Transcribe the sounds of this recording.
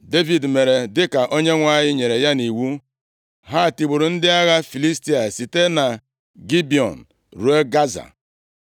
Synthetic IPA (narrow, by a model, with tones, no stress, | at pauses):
de˦vi˨dme˨ɾe˨dɪ˦ka˨ʔo˦ɲe˦ŋʷa˦˨ɲɪ˦ɲe˨ɾe˨ja˦ni˨wu˦ | ɦa˦˨ti˨ɡ͡bu˨ɾu˨n̩˦dɪ˦a˦ɣa˦fi˨li˦sti˦a˨si˨te˦na˨ | ɡi˦bi˨ɔ̰˨n̩˨ | ɾu˨˦e˦ɡa˦za̰˨